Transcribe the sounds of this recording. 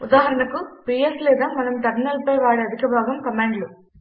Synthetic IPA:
ʊd̪aːɦɐɾɐɳɐkupiːeslɛːd̪aːmɐnɐmt̪ɐɾnɐlpɐjʋaːɽeɐd̪ʱikɐbʱaːɡɐmkɐmaːɳɖlu

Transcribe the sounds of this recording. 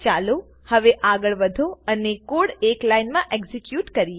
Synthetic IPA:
t͡ʃalo | həʋeʔaɡəɭʋəd̪ʱoənekoɽeklainmãʔekzikjuʈkəɾi

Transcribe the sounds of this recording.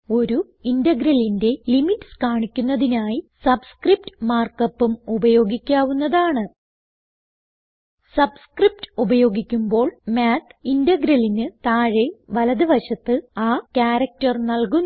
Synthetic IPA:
o̞ɾu | indɐɡɾɐlinde̞limitːskaːɳikʲːunːɐðinaːjisɐbskrip̚tɨmaːrkɐpːumubɐjo̞ːɡikʲːaːʋunːɐðaːɳɨ | sɐbskrip̚tɨubɐjo̞ːɡikʲːumbo̞ːɭmaːt̪ʰːindɐɡɾɐlinɨt̪aːɻeʋɐlɐðɨʋɐɕɐt̪ːɨaːkʲaːɾɐk̚tɐrnɐlkun

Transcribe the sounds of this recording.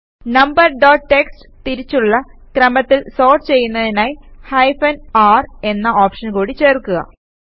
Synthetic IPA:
nɐmbɐrɖoːʈʈːeks | t̪iɾit͡ɕːuɭːɐkrɐmɐt̪ːilso̞ːrʈt͡ɕe̞jːunːɐðinaːjhɐjfɐnaːre̞nːɐʔoːpʂɐnkuːɽit͡ɕe̞ːrkːuɣɐ̰

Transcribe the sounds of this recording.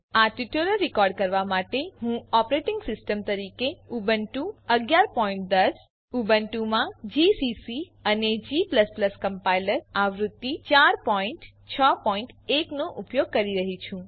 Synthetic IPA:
aʈiʈuləɾːikɔɾɖ̚kəɾʋamaʈeɦũɔpɾeʈɪŋɡsɪsʈəmt̪əɾikeubənʈũəɡjaɾpɔĩɳʈ̚d̪əs | ubənʈumãd͡ʒisisi | əned͡ʒipləspləskəmpailəɾaʋɾud̪ːit͡ʃaɾpɔiɳʈ | t͡ʃʰəpɔiɳʈeknoʔupjoɡ̚kəɾiɾəɦit͡ʃʰũ

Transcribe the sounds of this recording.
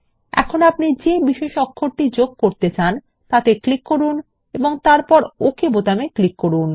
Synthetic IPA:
ɛ̰kʰonapnid͡ʑebiʃeʃɔkʰːoɾʈid͡ʑoɡ̚koɾt̪et͡ɕan | t̪at̪eklikːoɾun | eboŋt̪aɾpɔɾokʰebot̪ameklikːoɾun

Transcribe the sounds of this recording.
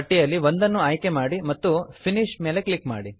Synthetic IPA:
ɐʈːijɐlːiʋond̪ɐnːuaːjkemaːɽimɐt̪ːupʰiniʂme̞ːle̞klikma̰ːɽi

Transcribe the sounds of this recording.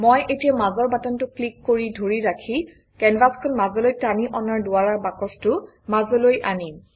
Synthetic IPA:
mojʔetijamazɔɹbatɔntʊklikːoɹidʱoɹiɹakʰi | kɛnbaskʰɔnmazɔlojtaniʔɔnaɹdʊaɹaɹbakɔstʊ | mazɔlojʔanim

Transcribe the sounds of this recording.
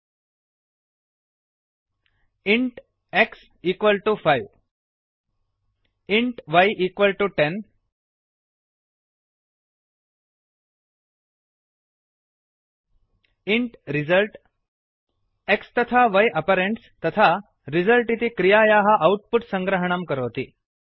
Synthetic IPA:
iɳʈ | eks | iːkʋəlʈufajʋ | iɳʈʋajʔiːkʋəlʈuʈen | iɳʈɾizəlʈ | ekst̪ət̪ʰaʋajʔɐpaɾeɳʈst̪ət̪ʰa | ɾid͡zəlʈit̪ikɾijajaɦaʔːwʈ̚puʈsə̃ŋɡɾəɦəɳ̃amkəɾot̪ḭː

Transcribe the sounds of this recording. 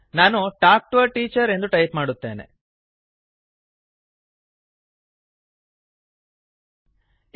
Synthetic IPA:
naːnuʈaːk̚ʈuʋɐʈiːt͡ʃɐɾe̞nd̪uʈɐjpmaːɽut̪ːḛːnḛ

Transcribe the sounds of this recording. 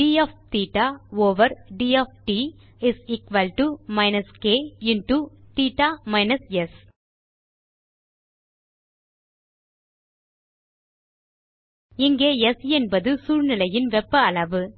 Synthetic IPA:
iːɐft̪iːʈaoːʋɐɾɖiːefʈi | ɪsiːkʋɐlʈumaɪnɐskeːɪnʈut̪iːʈaːmaɪnɐsɛs | ɪŋɡeːɛsɛnbɐðɯsuːɾnɪlɐjɪnʋɛpːɐlɐʋɯ

